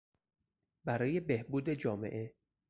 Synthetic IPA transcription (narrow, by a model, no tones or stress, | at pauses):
bæɾɒːje̞be̞hbuːd̪e̞d͡ʒɒːme̞̰ʔe̞